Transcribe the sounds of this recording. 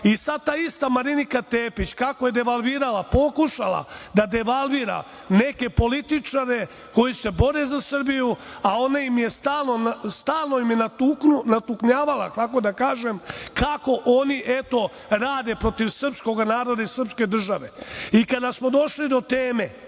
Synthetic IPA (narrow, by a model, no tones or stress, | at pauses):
isad̪̚t̪aːist̪amaɾinikat̪e̞ːpit͡ɕkako̞je̞d̪e̞ʋalˠʋiːɾalapo̞kuʃala̰d̪ad̪e̞ʋalˠʋiːɾa̰ | ne̞ke̞po̞lit̪it͡ʃaɾe̞ | ko̞jise̞bo̞ɾe̞zasrbijuao̞naimje̞st̪aːlnonst̪aːlˠno̞jimjenat̪ukunat̪ukɲaːʋala̰kako̞d̪akaːʒe̞mkʰako̞ʔo̞niʔet̪o̞ | ɾaːd̪e̞pɾo̞t̪iʋsr̩psko̞ɡanaːɾo̞d̪aisr̩pske̞d̪r̩ʒaʋe̞̰ikad̪asmo̞d̪o̞ʃlid̪o̞t̪eːme